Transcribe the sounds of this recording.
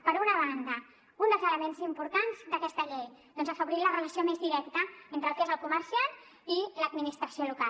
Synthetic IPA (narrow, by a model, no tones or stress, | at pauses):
pəɾunəβ̞and̪ə | und̪əlˠzələmenzimpuɾt̪anzd̪əkɛst̪əʎejd̪ɔnzəfəβuɾilərələsiomezðiɾɛkt̪əent̪ɾəlˠt̪ezəlˠkuməɾsian | iləd̪minist̪ɾəsioluka